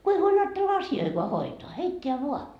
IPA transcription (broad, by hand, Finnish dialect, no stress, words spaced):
ku ei huolʲ ɑːtːelːɑ ɑsioikoɑ hoitoɑ heitːeæ ʋuɑ